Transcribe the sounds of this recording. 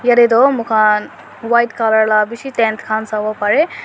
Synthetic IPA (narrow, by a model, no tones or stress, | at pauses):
jɐɾed̪omukʰan | ʋajʈkalɐɾlabiʃit̪ent̪ʰkʰaːnsaʋopɐɾe